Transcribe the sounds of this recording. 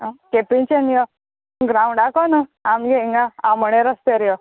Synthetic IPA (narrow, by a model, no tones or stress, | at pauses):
əkepint͡ɕenjɔ | ɡɾãũɳɖakɔnəamjeiŋɡaaməɽ̃eɾəst̪eɾjɔ